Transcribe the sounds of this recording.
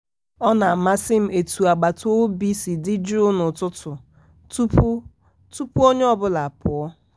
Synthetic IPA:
ɔ˦na˨ma˦si˦m̩˦ʔe˨tu˨a˨ɡ͡ba˨to˦bi˦si˨dɪ˦d͡ʒu˦nʊ˨tʊ˦tʰʊ˨ | tu˦p | tu˦pu˦o˦ɲe˦ɔ˦bʊ˦la˨a˨pʊ˨ɔ˦

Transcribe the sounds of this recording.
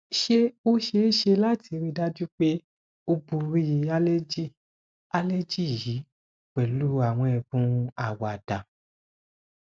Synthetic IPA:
ʃe˦˧o˦ʃe˦ʃe˧la˦˨ti˧ɾi˧da˦d͡ʒu˦k͡pe˦ | o˧bu˧ɾi˦ji˧a˦le˦d͡ʒi˦˨ | a˧le˦d͡ʒi˦˨ji˨˦ | k͡pɛ˨lu˨˦a˦˨w̃ɔ̃˧ɛ˨bũ˦a˦˨wa˨d̥a˨

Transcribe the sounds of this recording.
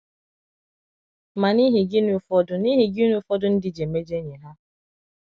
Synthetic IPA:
ma˨ni˦ɦi˨ɡɪ˦nu˦fɔ˦dʊ˦ni˦ɦɪ˨ɡɪ˦nu˦fɔ˦dʊ˨˦n̩˦dɪ˨d͡ʒe˨me˦d͡ʒe˦ɲe˨ɦa˦

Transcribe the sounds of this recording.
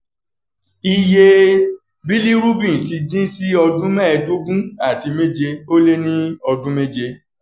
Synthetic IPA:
i˧je˧ | bi˦li˦ɾu˦bĩ˦˨ti˧dĩ˦si˦ɔ˧dũ˦mɛ̃˦ɛ˧to˦ɡũ˦a˦˨ti˨˧me˦d͡ʒe˧o˦le˦nĩ˦ɔ˧dũ˦me˦d͡ʒe˧

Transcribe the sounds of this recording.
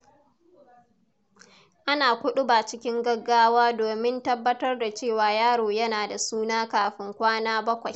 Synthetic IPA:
ʔa˦naː˨kʷʊ˦ɗʊ˦baː˨t͡ʃɪ˦kʲɪ˦ŋɡɐ˦ɡːaː˦waː˦doː˨mɪ˦ntɐ˦bːɐ˦tɐ˦rda˨t͡ʃeː˦˨waː˨jaː˦ɽoː˨jɐ˦naː˨da˨suː˦naː˦kaː˨ɸɪ˦ŋkʷaː˦naː˦bɐ˦kʷa˨j

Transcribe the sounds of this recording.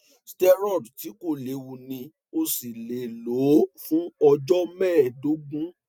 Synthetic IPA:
stɛ˧ɾɔ˦˨dti˨˦ko˦˨le˨wu˨nĩ˧ | o˧si˨le˨lo˨˦fũ˦ɔ˧d͡ʒɔ˦mɛ̃ː˦˨do˨˦ɡũ˦

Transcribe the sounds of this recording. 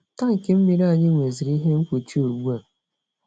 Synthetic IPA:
ta˦ŋ̩˨ke˦m̩˦mi˨ɾa˦˨ɲɪ˦ŋʷe˨zi˨ɾi˦ɦe˦ŋ̩˦kʷo˨t͡ʃi˦o˨ɡ͡bu˦a˨

